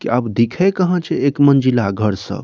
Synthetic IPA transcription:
kiabd̪ikʰɛkəɦə̃t͡ʃʰɛekmənd͡ʒilaɡʱəɾsə̰b

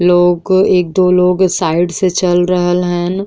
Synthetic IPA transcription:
loːɡeːk̚d̪oːloːɡsaːɪɖset͡ʃɐlɾəɦəlɦɛ̃ːn

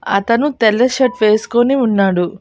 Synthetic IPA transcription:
ɐ̰t̪ɐnut̪ɛlːɐʃɐʈʋe̞ːsu̥koniunːaːɽu

